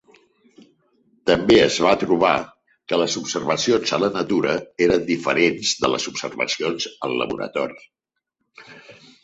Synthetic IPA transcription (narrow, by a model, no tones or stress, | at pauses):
t̪əmbeəzβat̪ɾuβ̞a | kələzupsərβəsionzələnət̪uɾəeɾənd̪ifəɾenzðələ̰zupsərβə̰sionzəlˠlə̰βṵɾə̰t̪ɔɾi